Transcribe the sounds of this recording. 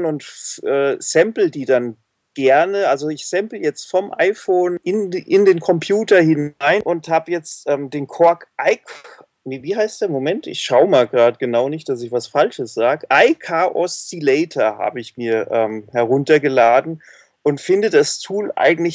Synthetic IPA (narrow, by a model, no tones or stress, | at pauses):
nʊntfʔɛːz̥ɛmpl̩diːdan | ɡ̥ɛɐnəʔalzoɪçsɛmpl̩jɛt͡stfɔmʔa̰ɪfoːnɪnʔɪndeːnkʰɔmpʰjuːtɐhɪnaɪnʔʊnthaːbəjɛt͡stʔɛːmdeːnkʰɔɐkʔaɪk | niviːhaɪstd̥eɐmomɛntɪ̰çʃaʊmaːlɡʁaːdəɡ̥ənaʊnɪçt̚d̥as̬ɪçvasfalʃəsz̥aːɡəʔaɪkʰaːʔɔstilɛɪtʰɐha̰ːbəɪçmiːɐʔɛːmhɛɐʁ̞ʊntɐɡəlaːdn̩ | ʔʊntfɪndədastʰuːlʔa̰ɪɡŋ̩tlɪç